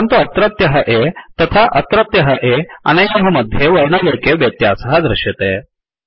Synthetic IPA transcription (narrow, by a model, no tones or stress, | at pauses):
ənt̪oət̪ɾət̪jəɦəʔet̪ət̪ʰaʔət̪ɾət̪jəɦəʔea̰neoɦəməd̪ʱjeʋəɭɳəʋəɾkeʋjət̪jasəɦəd̪ɾɪɕjet̪e